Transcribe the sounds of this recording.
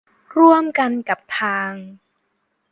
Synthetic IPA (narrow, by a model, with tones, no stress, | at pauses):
ɾu˥˩əmka˧nka˨˩p̚t̪ʰaː˧ŋ